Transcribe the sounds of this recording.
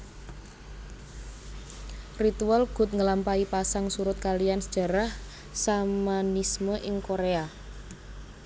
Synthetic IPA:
rit̪ualɡ̥ʊ̤t̪̚ŋəlampaipasaŋsuɾʊt̪̚kalijansə̥ʒ̥a̤ɾah | samanisməʔɪŋkoɾea

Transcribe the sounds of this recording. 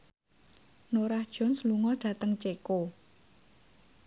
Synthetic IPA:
noɾahd̥ʒ̥ɔ̤nsluŋɔɖ̥ä̤t̪əŋt͡ʃeko

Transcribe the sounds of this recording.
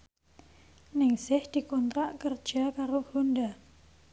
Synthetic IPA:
nɪŋsɪhd̪̥i̤kɔnt̪ɾaʔkərd̥d͡ʒ̥akaɾohunda

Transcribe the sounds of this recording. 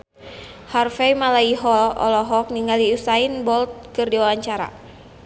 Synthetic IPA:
harfɛjmalaiɦɔɔ̰lɔɦɔk̚niŋɡaliusainbɔlt̪̚kɨrdiwawaɲt͡ʃaɾa̰

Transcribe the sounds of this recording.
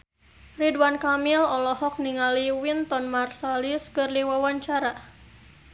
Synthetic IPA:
ridwankamilɔlɔhɔk̚niŋaliwint̪ɔnmarsaliskɨrdiwawaɲt͡ʃaɾa

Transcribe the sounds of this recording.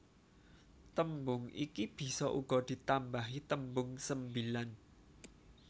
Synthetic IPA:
t̪əmbʊŋḭkib̥i̤sɔʔṵɡ̥ɔ̤d̪̥i̤t̪ambaɦit̪əmbʊŋsəmbilan

